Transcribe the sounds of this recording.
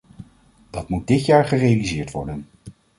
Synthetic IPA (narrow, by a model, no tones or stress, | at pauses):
d̥ɑtmud̚dɪtjaːɹχərejalizɪːɹtʋɔ̰ɹdən